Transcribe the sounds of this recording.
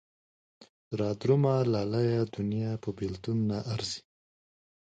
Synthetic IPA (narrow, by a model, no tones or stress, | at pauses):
ɾɑd̪ɾumalalajad̪unjɑpəbelt̪unːaʔaɾzi̥